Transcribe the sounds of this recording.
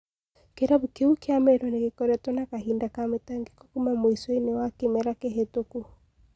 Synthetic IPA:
keɾaβukiukiamɛɾɔnekikɔɾɛtɔnakaɦindakametaŋɡikɔkumamwisɔinewakimɛɾakeɦetoku

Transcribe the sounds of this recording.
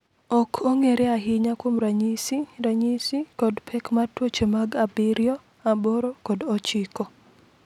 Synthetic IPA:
ɔkʰoŋeɾeaɦɪɲakwomɾaɲisiɾaɲisikɔdpʰɛkmatwot͡ʃemaɡabɪɾjɔ | aboɾokɔdɔt͡ʃɪkɔ

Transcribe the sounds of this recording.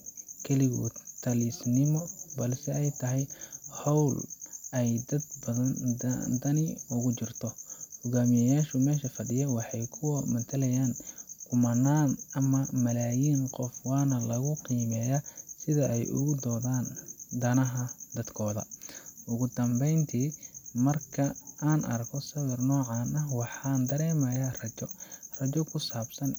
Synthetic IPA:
kʰɛlɪɣʊ̰t̪ʰɐliːsnɪmɔbɐlsɛɛjt̪ʰɐɦɛjhɔwlɛjd̪ɐd̪bɐɐt̪ʰɐnɪʊɣʊt͡ʃɪrt̪ʰɔhʊɡaːmɪjɛjaːʃʊmɛːʃɐfɐɗɪjɐwɑħɑjkʰʊwɔmɐt̪ʰɐlɐjaːnkʰʊmɐnːaːnɐmɐmɐlaːjiːnqɔfwɑːnɐlɐɣʊqiːmɛːjɐsɪðɐʔɛjʔʊ̰ɣʊd̪ɔːðaːnd̪ɐnɐɦɐd̪ɐd̪kʰɔːðɐ̰ʔʊɣʊd̪ɐmbɛjnt̪ʰiːmɐrkʰɐaːnʔɐ̰rkʰɔsɐβɐrnɔːʕɑːnɐwɑħɑːnd̪ɐɾɛːmɐjarɐt͡ʃɔrɐt͡ʃɔkʰʊsaːbsɐn

